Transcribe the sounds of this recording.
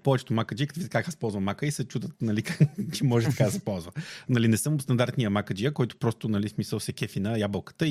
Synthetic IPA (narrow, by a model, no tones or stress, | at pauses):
pɔvɛt͡ʃɛ̥t̪ʊmakəd͡ʒikt̪vit̪ɐkaaspɔlˠzvɐmakəisɛt͡ʃud̪ət̪nɐlikat͡ʃɛmɔʒɛt̪ɐ̥kasɛpɔlˠzvənɐlinɛsɤmst̪ɐnd̪aɾt̪nʲijəmakəd͡ʒijəkɔjt̪ʊ̥pɾɔst̪ʊnɐlismisəlˠsɛkʲɛfinɐjabəlˠkə̥t̪ə